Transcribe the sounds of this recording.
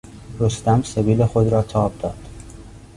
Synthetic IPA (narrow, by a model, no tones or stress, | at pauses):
ɾost̪æmseviːlexo̞d̪ɾɒːt̪ʰɒːb̚d̪ɒːd̪̥